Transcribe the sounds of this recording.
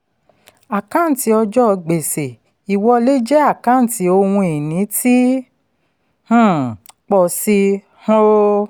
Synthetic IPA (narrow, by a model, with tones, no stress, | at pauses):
a˨kã˦n̩˨ti˨˦ɔ˧d͡ʒɔ˦˧ɡ͡be˨se˨ | i˨wɔ˧le˦d͡ʒɛ˦a˦˨kã˨˦n̩˨ti˨˦o˧wũ˧e˨nĩ˨˦ti˦ | h̩˦˨k͡pɔ˨si˧ | hɔ̃˦o˦